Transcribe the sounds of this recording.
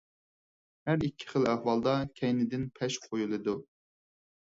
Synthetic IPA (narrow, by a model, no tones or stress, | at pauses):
hæɾikʲʰːɪ̥χəlˠæhwɑlˠd̪ɑkʲʰɛjnɪd̪ɪnpʰɛʃqʰojulˠɨd̪u